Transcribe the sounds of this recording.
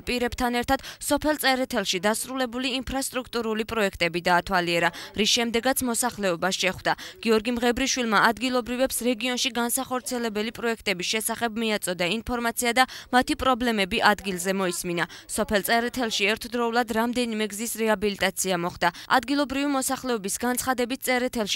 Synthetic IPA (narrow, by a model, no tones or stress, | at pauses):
pʼiɾɛb̥t̪ʰanɛɾt̪ʰad̪̥sɔpʰɛlˠt̪sʼɛɾɛt̪ʰɛlˠʃid̪asɾulɛbuliːnpʰɾast̪ʼɾukʰt̪ʼuɾulipʼɾɔɛkʰt̪ʼɛbid̪aːt̪ʰwaliɛɾaɾisʃɛmd̪ɛɡat̪sʰmɔsaχlɛɔbasʃɛχwd̪aɡ̥iɔɾɡimʁɛbɾiʃwilˠmaad̪ɡilˠɔbɾivɛpsɾɛɡiɔnʃiɡansaχɔɾt̪sʰiɛlɛbɛlipʼɾɔɛk̚ʰt̪ʼɛbisʃɛsaχɛbmiat̪sʼɔd̪ainpʰɔɾmat̪sʰiad̪amat̪ʰipʼɾɔblɛmɛbiʔad̪ɡilˠzɛmɔisminasɔpʰɛlˠt̪sʼɛɾɛt̪ʰɛlˠʃiɛɾt̪ʰd̪ɾɔulˠad̪ɾamd̪ɛnimɛɡzisɾɛabilit̪ʼat̪sʰiamɔχd̪aa̰d̪ɡilˠɔbɾivimɔsaχlɛɔbisɡant̪sʰχad̪ɛbit̪̚sʼɛɾɛt̪ʰɛlˠʃi